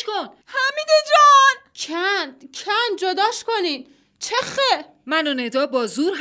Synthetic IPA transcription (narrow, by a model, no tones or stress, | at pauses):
kon | hæmid̪ed͡ʒɒncʰæncʰænd͡ʒod̪ɒːʃkonid̪ | t͡ʃʰexe | mænoned̪ɒːbɒːzuːɾɦ